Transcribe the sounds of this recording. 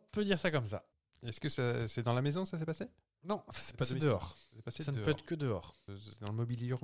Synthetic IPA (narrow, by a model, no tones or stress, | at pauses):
pød̪iʁsakɔmsa̰ | ɛskəsasɛd̪ɑ̃lamezɔ̃sasɛpase | nɔ̃sḁsɛpadd̪əɔʁsɛpasesanəpøɛt̪χə̥kəd̪əɔːʁsɛd̪ɑ̃ləmɔbiljyʁ